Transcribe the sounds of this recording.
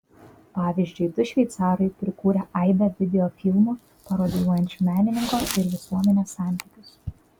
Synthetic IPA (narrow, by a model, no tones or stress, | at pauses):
pɑːʋʲizʲd͡ʒʲʊɪd̪ʊʃʲʋʲɛɪt̪sɑːɾɐɪpʲɾʲɪkuːɾʲɛʔɐɪb̪ʲɛʋʲɪd̪ʲɛoːfʲɪlˠmoː | pɐɾoːd̪ʲɪj̪uɔjɛnʲt͡ʃʲumʲæːnʲɪnʲɪŋkoːɪɾʋʲɪsuɔmʲɛnʲeːsɑˑnʲt̪ʲiːkʲʊs